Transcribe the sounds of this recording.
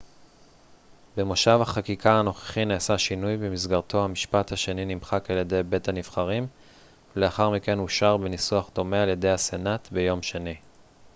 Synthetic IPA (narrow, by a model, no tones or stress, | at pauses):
bemoʃavhaχakikaano̞χe̥χineːsaʃinujbemisɡaʁt̪ʰo̞hamiʃpathaʃe̞ninimχakaljede̞jbe̞thaniv̥χaʁim | le̞aχaʁmike̞nuʃaʁbenisuaχd̪o̞mealje̞d̪e̞jhasenat̪be̞jo̞mʃeni